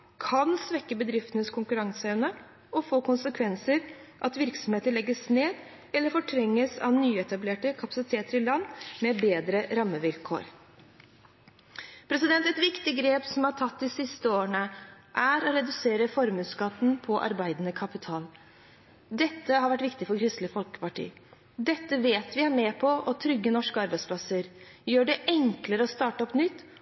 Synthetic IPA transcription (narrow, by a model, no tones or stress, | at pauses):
kʰɑnsʋɛkːəbəd̪ɾɪft̪ənəskʰʊŋkʉɾɑŋsəɛʋnə | ɔfoːkʊnsəkʰʋɛnsəɾʔɑt̪ʋɪɾksɔm̩heːt̪əɭɛɡːəsneːd̪ | ɛlːəɾfɔʈʰɾɛŋːəsɑ̰ʋnyːɛt̪ɑbleːʈəkʰɑpɑsɪt̪ʰeːt̪əɾɪlɑnːmɛbeːd̪ɾəɾɑmːəʋɪlkʰo̰ːɾ | pʰɾɛsɪd̪ɛnt̪ɛt̪ʋɪkt̪ɪɡɾeːpsɔmhɑʈʰɑt̪ːd̪ɪsɪst̪əoːəɳə | ʔæɾɔɾɛd̪ʉseːɾəfɔɾmʉːskɑt̪ːn̩pʰɔʔɑ̰ɾbæɪd̪ənəkʰɑpɪt̪ʰɑːl | d̪ɛt̪ːəɦɑɾʋæʈːʋɪkt̪ɪfɔɾkʰɾɪst̪ləfɔlkə̥pɑʈḭːə | d̪ɛt̪ːəʋeːt̪ʋɪæɾmeːpʰɔʔɔt̪ʰɾʏɡːənɔʂkəɑɾbæɪspʰlɑsəɾjøːɖɛʔɛŋkləɾəɔst̪ɑːʈəɔpnʏt̪ː